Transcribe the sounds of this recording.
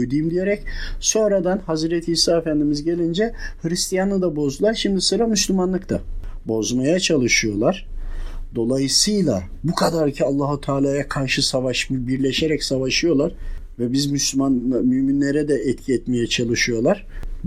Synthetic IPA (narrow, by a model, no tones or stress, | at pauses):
jd̪ujmd̪ije̞ɾɛcso̞nɾad̪anhazɾɛt̪ʰihisaːefænd̪imizɟe̞lʲind͡ʒɛhɯɾist̪ʰijanˠɯd̪abo̞zd̪ulˠaɾʃimd̪isɯɾamyslʲymanlˠɯkt̪ʰabo̞zmajat͡ʃʰalˠɯʃɯjo̞lˠaɾ̥d̪o̞lˠajɯsɯjlˠa̰ | bukʰad̪aɾcʰialˠːaɦut̪ʰaːlʲaːjakʰaɾʃɯsavaʃmɯbiɾlʲeʃeɾɛcsavaʃɯjo̞lˠaɾ̥ | vɛbizmyslʲymanmyminlʲe̞ɾɛd̪ɛʔɛt̪cʰiɛt̪me̞jɛt͡ʃʰalˠɯʃɯjo̞lˠaɾ̥